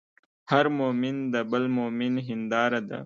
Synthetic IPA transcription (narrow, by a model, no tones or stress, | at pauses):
haɾmomind̪əbəlmominɦɪnd̪ɑːɾad̪a̰